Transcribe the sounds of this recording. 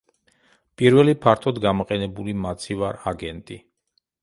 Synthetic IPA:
pʼiɾvɛlipʰaɾt̪ʰɔd̪ɡamɔqʼɛnɛbulimat̪sʰivaɾaɡɛnt̪ʼi

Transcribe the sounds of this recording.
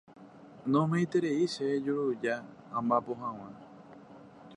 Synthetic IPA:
nõmẽjt̪eɾeiʃed͡ʒuɾud͡ʒaː | mbapoɦãw̃ã

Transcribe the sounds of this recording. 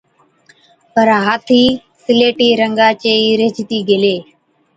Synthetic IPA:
pəɾɦaːt̪ʰiː | sɪleːʈiːɾəŋɡaːt͡ʃeːiːɾeːd͡ʒt̪iːɡʱeːleː

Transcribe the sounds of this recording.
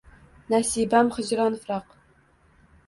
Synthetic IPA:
næsibæmχə̆ʑɾɑnfɾɑq

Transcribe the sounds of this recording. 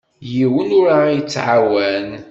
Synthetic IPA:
jiwənʊɾaijət͡sːʕawæn

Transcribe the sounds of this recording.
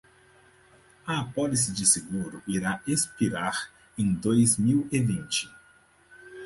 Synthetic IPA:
ɐːpɔlisɪd͡ʒɪseɡuɾʊiɾaespiɾaɾ | ẽj̃d̪ojzmiwevĩnt͡ʃɪ̥

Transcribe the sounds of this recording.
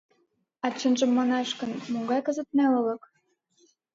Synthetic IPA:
ɑt͡ɕə̆nʒə̆mːɑnɑʃkə̆nmuŋɡɑjkɤ̆zə̆t̪̚nælɤ̆lɤ̆k

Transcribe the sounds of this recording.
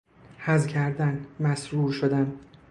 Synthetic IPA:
hæzcʲʰæɾd̪ænmæsɾuːɾʃod̪æn

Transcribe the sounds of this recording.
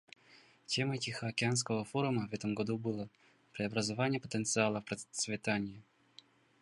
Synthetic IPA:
tʲe̞mətʲɪxəɐkʲɪanskəvəfoɾʊməvɛt̪əmɡɐd̪ubɨlˠə | pɾʲɪɐbɾəzɐvanʲɪjəpə̥t̪ənt̪sɨalˠəfpɾət̪svʲɪt̪anʲɪjɪ

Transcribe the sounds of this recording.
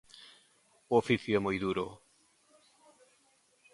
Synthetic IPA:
oofiθjoɛmojðuɾo

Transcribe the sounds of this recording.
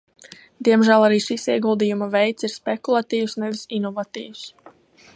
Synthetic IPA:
d̪iɛmʒæːlˠaɾiːʃisiɛɡulˠd̪ijumavɛjt̪siɾspekulˠat̪iːwsnɛvisinɔvat̪ḭːws

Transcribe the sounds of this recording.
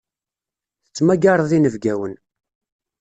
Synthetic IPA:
θə̥t͡sːmæɡɑɾˤəðˤinəvɡæwən

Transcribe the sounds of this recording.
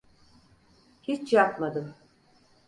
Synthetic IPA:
hit͡ʃjapmad̪ɯm

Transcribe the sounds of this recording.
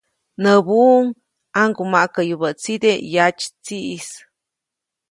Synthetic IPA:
nəbuŋ | aŋɡumaʔkəjubət͡sid̪ejat͡ʃt͡siʔis

